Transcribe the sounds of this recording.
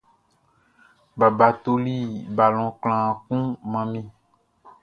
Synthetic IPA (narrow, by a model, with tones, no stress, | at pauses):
ba˨ba˨t̪o˦li˦ba˨lɔ̃˨k͡pl̃ã˨kũ˦mã˨mĩ˦